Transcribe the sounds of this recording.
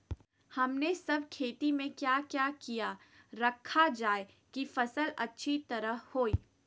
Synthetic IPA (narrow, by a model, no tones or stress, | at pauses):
hɐmnesɐb̚ʱkʰeːt̪imẽkjaːkjaːkija | ɾɐkʰːad͡ʒaːe | kifɐsəlɐ̰tːʃʰit̪ɐɾəɦhoːiː